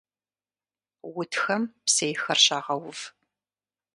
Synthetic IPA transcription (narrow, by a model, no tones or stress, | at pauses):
wʊtxɐmpsejxɐrɕaːʁɐwʊv